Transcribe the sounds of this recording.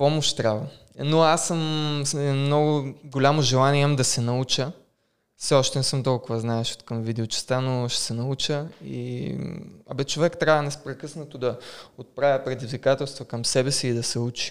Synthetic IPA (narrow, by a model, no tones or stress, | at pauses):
pɔmoʃt̪t̪ːɾʲavə | noasːəm | mnɔɡʊɡolʲamoʒɛlˠanimd̪ɐsɛnɐut͡ʃə | fsɛɔʃt̪ɛnɛsɤmt̪ɔlˠkʊvɐznaɛʃo̥t̪kɐmvid̪ɛot͡ʃɛ̥st̪anoʃɛ̥sɛnɐut͡ʃəḭ | ɐ̰bɛt͡ʃovɛkt̪ɾʲavənɛspɾɛkɤsnət̪od̪ɐot̪̚pɾavʲjəpɾɛd̪izvikat̪ɛlˠst̪vokɐmsɛbɛsiːd̪ɐsɛut͡ʃi̥